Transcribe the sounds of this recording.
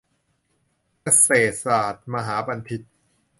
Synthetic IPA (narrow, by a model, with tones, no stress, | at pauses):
ka˧seː˨˩t̪̚saː˨˩t̪̚ma˧ɦaː˩˦ba˧np̪ʰi˦˥t̪̚